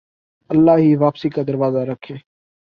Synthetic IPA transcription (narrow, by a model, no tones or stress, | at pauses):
əlːaːɦiːʋaːpsiːkad̪əɾʋaːzaɾəkʰːeː